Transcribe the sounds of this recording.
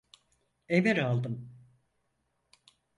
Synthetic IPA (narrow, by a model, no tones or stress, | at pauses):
eveɾalˠd̪ɯm